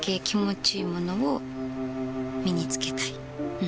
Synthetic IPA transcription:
kekʲimo̞t͡ɕiːmo̞no̞o | mʲiɲ̟it͡sɨ̥ke̞t̪ai

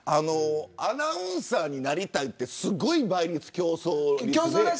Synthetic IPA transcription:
anoanaɯ̟̃ɰ̃saːɲ̟inaɾʲit̪ait̪ːe̞sɨɡo̞ibaiɾʲit͡sɨ̥kʲo̞ːsoɾʲikʲoːso

